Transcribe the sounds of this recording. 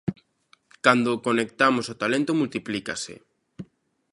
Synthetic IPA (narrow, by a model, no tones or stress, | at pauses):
kand̪okonek̚t̪amosot̪alẽnt̪omult̪iplika̰sḛ